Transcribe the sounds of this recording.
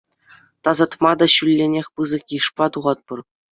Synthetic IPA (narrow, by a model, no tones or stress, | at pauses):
t̪ɑzɑt̪mɑd̪ɑɕylʲːenʲexʲpɯzɤ̆kʲiʂpɑt̪uʁɑt̪̚pɤ̆r